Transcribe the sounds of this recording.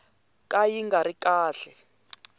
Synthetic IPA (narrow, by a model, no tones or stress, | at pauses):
kʼajiŋɡaɾikʼaːɬɛ